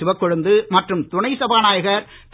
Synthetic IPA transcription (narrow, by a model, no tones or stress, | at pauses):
ɪʋɐkːɔɻɯnd̪ɯmɐʈrɯmt̪ʊɳɐɪsɐbaːnaːjɐɣɐɾ | t̪